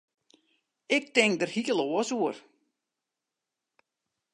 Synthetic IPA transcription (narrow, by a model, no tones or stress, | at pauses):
ɪk̚tɪŋkdərhiəloəsuər